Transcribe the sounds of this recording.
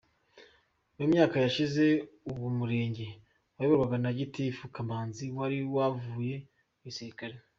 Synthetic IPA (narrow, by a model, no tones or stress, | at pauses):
jemɲaːkajaʃize̞uwumuɾe̞ːɲɟe̞ | wajeβaɾɡwaɡanaɟitifukambaːnziwaɾiwavuːje̞ | uwisiɾikaɾe